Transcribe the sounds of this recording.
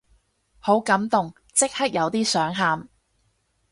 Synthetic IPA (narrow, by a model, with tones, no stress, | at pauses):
ho˨˥wkɐ˨˥mt̪ʊ˨ŋ | t͡sɪ˥k̚hɐ˥k̚jɐ˨˧wt̪iː˥sœː˨˥ŋɦaː˨˧m